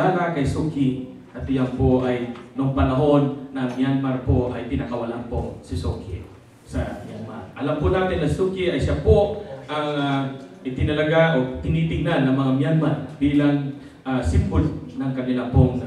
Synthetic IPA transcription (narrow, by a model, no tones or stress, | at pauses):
aːnakɐjsukɪ | ɐt̪ɪjampoʔajnʊŋpɐnɐɦo̞nːɐmjanmaɾpoʔɐ̰jp̪ɪnakɐwɐlanpo̰sɪso̰kɪ̰ | sɐmjanma̰ɾʔɐlampʊnaːt̪ɪnːɐsukɪʔɐjʃapoʔɐŋaʔɪt̪ɪnɐlɐɡaʔot̪ɪniːt̪ɪɡ̚nanːɐŋmɐŋamjanmarbiːlaŋ | ʔasɪmbʊlnɐŋkɐnɪlapoŋ